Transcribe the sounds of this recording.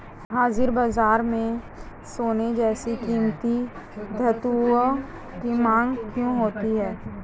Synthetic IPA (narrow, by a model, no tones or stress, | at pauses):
ɦaːzɪɾbaːzaːɾmẽ | soːned͡ʒɛːsikiːmt̪i | d̪ʱɐt̪u | kimãːŋɡkjõɦoːt̪iɦɛː